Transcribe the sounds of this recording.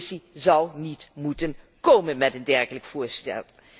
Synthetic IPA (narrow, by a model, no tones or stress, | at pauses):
sizʌwnitmutən | koːmənmɛtəndɛɹχələkfʊːɹstɛ̰lˠ